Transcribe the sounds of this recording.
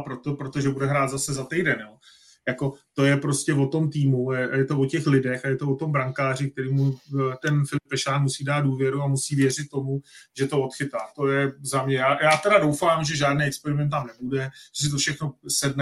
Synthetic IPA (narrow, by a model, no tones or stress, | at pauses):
pɾot̪opɾot̪o̞ʒɛbudɛɦɾaːd̪zasɛzat̪ɛjdɛnjo | jako̞t̪o̞jɛpɾo̞scɛvo̞t̪o̞mt̪iːmuɛajɛt̪o̞vo̞cɛxlɪdɛxajɛt̪o̞vot̪o̞mbɾaŋkaːrɪk̚t̪ɛɾiːmut̪ɛnfɪlɪp̚ːɛʃaːnmusiːdaːt̪̚duːvjɛɾuamusiːvjɛr̝ɪt̪ːo̞muʒɛt̪oot̪xɪt̪aːt̪o̞jɛzamɲɛjaːjaːt̪ɛdadowfaːmʒɛʒaːdnijɛkspɛɾɪmɛnt̪ːamnɛbudɛʒɛsɪt̪o̞fʃɛxno̞sɛdnɛ